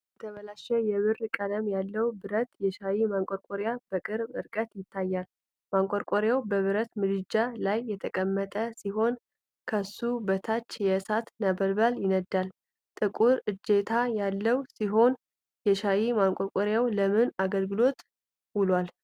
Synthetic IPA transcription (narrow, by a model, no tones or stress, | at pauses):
jbɛt̪ʰəβəlaʃɛjɛβɨrkʼələmjalːəwbɨɾət̪jɛʃajimaŋkʷʼoɾkʼoɾjab̥əkʼɨɾbɨɾkʼət̪jɪt̪ʰːajːal | maŋkʼoɾkʼoɾjawbəβɨɾət̪mɨd̪ɨd͡ʒalajːɛt̪ʰəkʼəmːət̪ʼəsiɦo̞n | kʰəsubət̪ʰat͡ʃːjɛsat̪nəbəlbaljɪnəd̪al | t̪ʼɨkʼuɾɨd͡ʒːe̞t̪ʰajalːəwsiɦo̞n | jɛʃajimaŋkʼoɾkʼoɾjawləmɨnaɡəlɡɨlo̞t̪ | wulwal